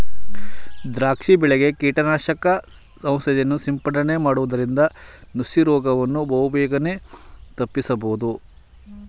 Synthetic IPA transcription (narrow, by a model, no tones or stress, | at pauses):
d̪ɾaːkʂibɛɭeɡe̞kiːʈɐnaːʃɐkɐ | sɐ̃w̃sɐjjɐnːusimpɐɳɖɐne̞maːɽuʋɐd̪ɐɾind̪ɐnusiɾɔːɡɐʋɐnːubɐʋubɛːɡɐne̞t̪ɐpːisɐboud̪u